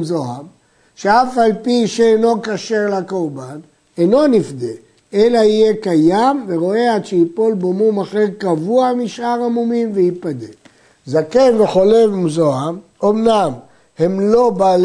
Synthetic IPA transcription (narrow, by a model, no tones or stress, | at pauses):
zoam | ʃeafalpiʃeeno̞kaʃe̞ʁlako̞ʁban | eno̞nifd̪e | elaijekajamveʁo̞eatʃeipo̞lbomumaχeʁkavuamiʃʔaʁamumimveipad̪e | zakevveχo̞levmzoam | omnam | he̞mlo̞baːl